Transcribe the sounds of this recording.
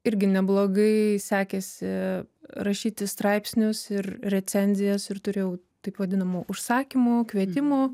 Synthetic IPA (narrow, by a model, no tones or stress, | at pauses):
ɪɾʲɡʲɪnʲɛblˠoːɡɐɪsʲæːkʲɛsʲɪ | ɾɐʃʲiːt̪ʲɪst̪ɾɐɪpsʲnʲʊsɪrrʲɛt͡s̪ʲɛnʲzʲɪjɛsɪrt̪ʊɾʲeːjɛʊ | t̪ɐɪpʋɐd̪ʲɪnɐmoːʔʊʃsɑːkʲimoːkʋʲiɛt̪ʲɪmoː